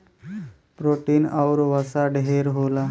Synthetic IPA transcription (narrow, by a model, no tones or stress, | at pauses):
pɾoʈiːnawɾʋəsaɖeɦeɾɦoːla